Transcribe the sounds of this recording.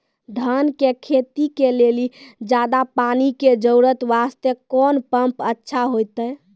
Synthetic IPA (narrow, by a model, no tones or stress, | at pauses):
d̪ʱənkekʰet̪ikelelid͡ʒad̪apaniked͡ʒəwɾət̪ʋast̪jəkɔnpəmpətːʃʰaɦojt̪əj